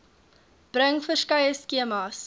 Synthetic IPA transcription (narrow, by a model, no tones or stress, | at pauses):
b̥rəŋfərskɐjəskiəmɑs